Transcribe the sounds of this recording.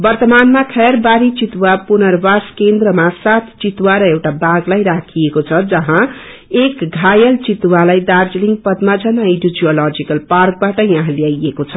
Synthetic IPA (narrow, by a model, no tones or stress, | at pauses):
bʌrt̪ʌmanmakʰʌjʌrbaɾit͡sit̪wapunʌrbaskend̪rʌmasat̪ʰt͡sit̪waɾʌewʈabaɡlajɾakʰijekot͡sʰʌd͡zʌɦã | ekɡʱajʌlt͡sit̪walajd̪ard͡zliŋɡpʌd̪mad͡zʌnaiɖod͡ziolʌd͡zikʌlpark̚baʈʌjãɦãljajekot͡sʰʌ